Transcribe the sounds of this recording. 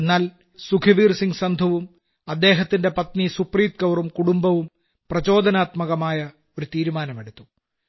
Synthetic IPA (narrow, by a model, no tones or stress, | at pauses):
enːaːl | sukʰɐʋiːrsiŋɡsɐnd̪ʱɐʋum | ɐd̪ːe̞ːɦɐt̪ːinde̞pɐt̪nisupriːt̪̚kɐwrumkuɽumbɐʋum | prɐt͡ɕo̞ːd̪ɐnaːt̪mɐɣɐmaːjɐ | o̞ɾut̪iːɾumaːnɐmeɽut̪ːu